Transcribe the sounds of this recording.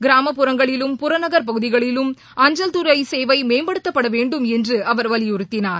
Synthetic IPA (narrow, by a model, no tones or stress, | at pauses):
ɡɪɾaːmɐpːɯɾɐŋɡɐɭɪlɯmpʊɾɐnɐɣɐɾpɐɣɯðɪɣɐɭɪlɯm | ɐɲd͡ʒɐlt̪ɯɾɐɪseːʋɐɪmeːmbɐɽɯt̪ːɐpːɐɽɐʋeːɳɖɯmɛndrɯʔɐʋɐɾʋɐlɪʊɾɯt̪ːɪnaːɾ